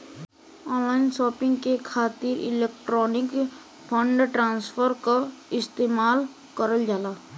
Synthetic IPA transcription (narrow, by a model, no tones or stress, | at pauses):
ɔːnlaːɪnʃɔːpɪ̃ŋɡkekʰaːt̪ɪɾɪ̰leːkʈɾɔːnɪk | pʰə̃ɳɖʈɾaːnspʰəɾkaɪst̪eːmaːl | kəɾəld͡ʒaːlaː